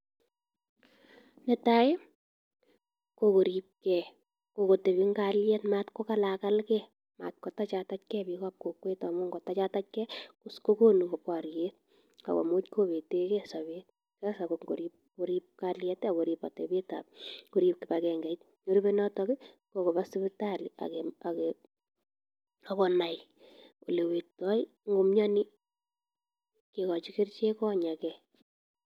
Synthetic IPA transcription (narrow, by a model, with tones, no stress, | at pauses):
nɛ˨ta˦e˦ | koko˨ɾip̚kɛ | ko˨ko˨te˨bi˦ŋɡaljɛ˦tmaːtko˦ka˦laka˦lkɛ | ma̰ː˨t̚kɔ˨ta˦t͡ʃata˦tkɛ˦bikaː˦p̚ko˨kwe˦ta˨mu˦ŋɡɔ˨ta˦t͡ʃa˦ta˦t̚kɛ˦kusko˦ko˦nu˨ɡo˨pwa˨ɾje˦t̚ | ka̰˨kɔ̰˨mo˦t͡ʃko˦be˨te˦kɛsa˨βe˦t̚ | kasa˨kokŋɡo˨ɾip̚ | ko˦ɾi˦p̚ka˦ljɛ˦ta˨ko˨ɾipa̰˨te˨be˦ta̰˨p̚ko˦ɾip̚kɪ˨pakɛ˨ŋɡɛ˨t | ɲo˦ɾi˦be˦nɔ˦tɔ˦kɪ˦ | ko˨ko˨ba˦sɪ˦bɪta˦lia̰kɛa˨ke | akɔ˨na˨j | o̰˨le˨we˨tɔ˦i | ŋɡo˨mɲɔ˦ni˦ | kekɔ˨t͡ʃi˦ke˦rt͡ʃe˦kɔ˦˨ɲa˨kɛ